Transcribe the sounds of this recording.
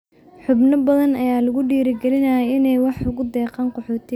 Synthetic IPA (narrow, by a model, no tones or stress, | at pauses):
ħʊbnɐbɐðɐnɐjaːlɐɣʊɖiːɾɪɡɛlɪnɐjɛɪnɛjwɑħʊɣʊd̪ɛːqɑːnqɔħɔːt̪ʰɪ